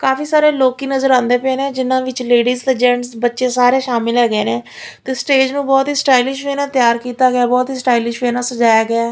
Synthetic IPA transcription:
kaːfiːsaːɾeːloːkiːnəzəɾãːnd̪eːpẽːnẽːd͡ʒɪnãːʋɪt͡ʃleːɖiːzt̪eːd͡ʒɛ̃ːɳʈsbətːʃeːsaːɾeːʃaːmɪlɦɛːɡeːnẽː | t̪eːsʈeːd͡ʒnũːbɔːt̪iːsʈaːilɪʃʋeːnaːt̪jaːɾkiːt̪aːɡaːbɔːt̪ɦiːsʈaːilɪʃʋeːnãːsəd͡ʒaːjaːɡɪaː

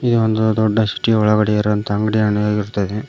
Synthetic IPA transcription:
id̪uond̪ud̪ɔɖːɐsi̥ʈːiɐɔɭɐɡɐɽɛjɐɾɐnt̪ɐːŋɡɐɽianujaːɡiɾut̪ːɐd̪e

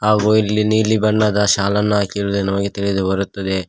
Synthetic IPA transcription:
ɦaːɡuilːiniːlibɐɳːɐd̪ɐʃaːlɐnːɐaːkiɾuːd̪unɐmɐɡet̪iɭid̪ubɐɾut̪ːɐd̪e̞

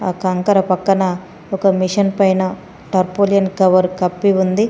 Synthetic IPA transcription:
aːkɐŋkɐɾɐpɐkːɐnɐ | ɔkɐmiʂɐnpɐjnɐ | ʈɐɾpoːlijɐnkɐʋɐɾkɐpːiund̪i

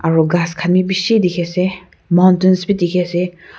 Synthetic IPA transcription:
ʔaɹoɡaskʰanip̬iʃiːd̪ikʰɛse | mant̪ənspit̪ikʰɛse

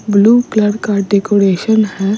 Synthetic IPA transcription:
bluːkləɖkaɖeːkoːɾeːʃənɦɛː

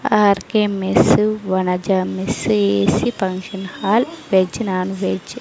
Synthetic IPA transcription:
aːɾkemesʋɐnɐd͡ʒɐmiseːsipɐŋkʃɐnhaːlʋed͡ʒnaːnʋed͡ʒ

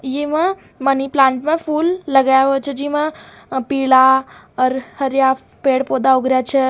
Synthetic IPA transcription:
jemə̃ | məniplãːɳʈmẽfuːlːəɡajaʋət͡ʃʰəd͡ʒiːmə̃ | piːɭa | əɾhɐɾja | peːɽpoːd̪aoɡɾjat͡ʃʰə

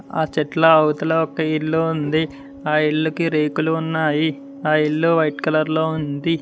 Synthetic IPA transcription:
a̰ːt͡ʃɛʈlɐɐwut̪ɐloɔkɐilːuund̪i | aːilːukiɾeːkuluːnːaːji | aːilːuʋɐjʈkɐlɐɾloːund̪i

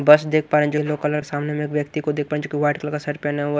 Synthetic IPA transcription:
bɐsd̪eːkk̚ʰpaːɾẽd͡ʒoloːkələksaːmnemẽeːkʋjɐk̚t̪ikod̪eːk̚paːɾẽd͡ʒoːkiʋaːʈkəlkasɐɾpɛnɛ

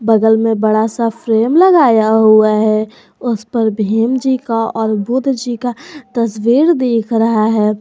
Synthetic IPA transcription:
bəɡəlmẽbɐɽasafɾeːmləɡaːjaɦuaɦɛ | ʊspəɾbʱeːmd͡ʒikaɔːɾbʊd̪ʱd͡ʒikat̪ɐswiːɾd̪eːkʰɾɐɦaɦɛː

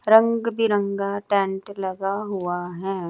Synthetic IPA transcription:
ɾə̃ŋɡbʱiɾə̃ŋɡaʈɛ̃ːɳʈlɐɡaɦuaɦɛː

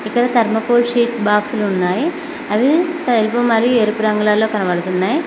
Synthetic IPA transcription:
ikːɐɽɐt̪ɐɾmɐpoːlʂiːʈbaːksluːnːaːji | ɐʋit̪ɐelpoːmɐɾijueːɾupuɾɐŋɡulaːlːo̞ːkɐnɐʋɐɽut̪unːaːji

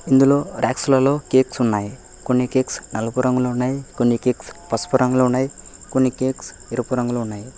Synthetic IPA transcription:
ind̪ulo̞ːɾaːksulɐlo̞ːkeːksunːaːji | koɳːikeːksnɐlɐpuɾɐŋɡuloːunːaːjikonːikeːkspɐspuɾʔɐŋɡulounːaːjikoɳːikeːks | eɾɐpuɾɐŋɡulounːaːji

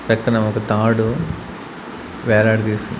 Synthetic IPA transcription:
pɛkːɐnɐmɔkɐt̪aːɽu | ʋɛːɾaːɽt̪iːsund̪

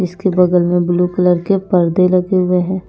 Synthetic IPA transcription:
ɪskebɐɡ̪əlmẽbluːkələɾkepɐɾd̪elɐɡeɦʊeɦɛ̃ː

